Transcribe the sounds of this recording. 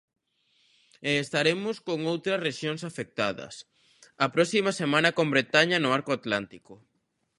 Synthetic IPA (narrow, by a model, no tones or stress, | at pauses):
eːst̪aɾemʊskoŋowt̪ɾɐsreʃjoŋsafek̚t̪aðɐ̰s | ɐpɾɔsimɐsemãnɐkõmbɾet̪aɲɐnʊaɾkoat̪lant̪ikʊ